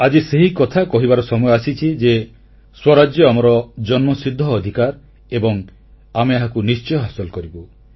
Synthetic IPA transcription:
ad͡ʒiseɦikɔt̪ʰakɔɦibaɾɔsɔmɔjɔasit͡ʃʰid͡ʒe | swɔɾad͡ʒjɔamɔɾɔd͡ʒɔnmɔsid̪ʱːɔːd̪ʱikaɾ | ebɔŋ | ameaɦakunist͡ʃɔjɔɦasɔlkɔɾibu

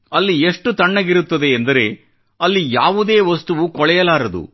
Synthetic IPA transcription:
ɐlːieʂʈut̪ɐɳːɐɡiɾut̪ːɐd̪e̞ːnd̪ɐɾe̞ | ɐlːijaːʋud̪e̞ːʋɐst̪uʋukɔɭɛjɐlaːɾɐd̪ṵ

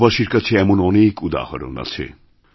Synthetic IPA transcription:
baʃiɾkat͡ɕʰeɛmonɔnekud̪a̰haɾo̰na̰t͡ɕʰḛ

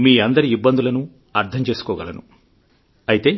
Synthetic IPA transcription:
miːɐnd̪ɐɾiːibːɐnd̪ulɐnu | ɐɾt̪ʰɐmt͡ʃe̞ːsu̥kɔːɡɐlɐnṵ | ɐjit̪e̞ː

